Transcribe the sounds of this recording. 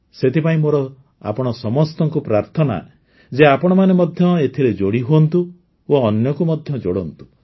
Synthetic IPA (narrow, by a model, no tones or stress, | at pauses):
set̪ʰipaĩmoɾɔ | a̰pɔɽ̃ɔsɔmɔst̪ɔŋkupɾaɾt̪ʰɔna̰ | d͡ʒeapɔɽ̃ɔmanemɔd̪ʱjɔet̪ʰiled͡ʒoɽiɦuɔnt̪u | woːnjɔkumɔd̪ʱjɔd͡ʒoɽɔnt̪u̥